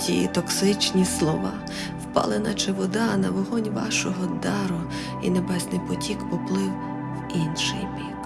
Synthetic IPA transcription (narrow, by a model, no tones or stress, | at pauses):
tʲḭt̪ɔksɪt͡ʃnʲislˠɔʋɑ | wpɑ̰lˠenɐt͡ʃeʋɔd̪ɑnɐʋɔɦɔnʲʋɑ̰ʃɔɦɔd̪ɑɾʊ | ḭnebɛzʲnɪjpɔtʲikpɔplˠɪw | winʃɪjmʲik